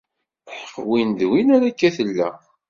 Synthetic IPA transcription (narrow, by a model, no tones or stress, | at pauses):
ħəfwinðwinæɾækːæθəlːæ̰